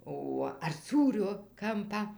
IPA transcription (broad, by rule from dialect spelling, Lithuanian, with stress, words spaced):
ˈoː ɐr ˈsuːrʲoː ˈkɐmpɑː